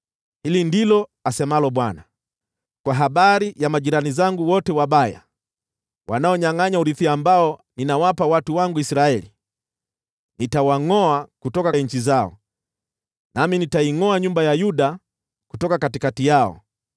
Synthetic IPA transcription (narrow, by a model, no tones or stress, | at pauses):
hilindilɔasɛmalɔɓwana | kwaɦaɓaɾijamaʄiɾanizaŋɡuwɔtɛwaɓaja̰ | wʔa̰naɔɲaŋaɲauɾiθiaːmbaɔninawapawatuwaŋɡuisɾaɛli | nitawaŋɔakutɔkaɲ̩t͡ʃizaɔ̰ | naminitaiŋɔaɲumbajajuɗa | ku̥tɔkakatikatijaɔ̰